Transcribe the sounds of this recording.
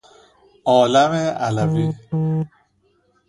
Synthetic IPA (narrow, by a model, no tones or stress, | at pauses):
ʔɒːlæmeʔælæviː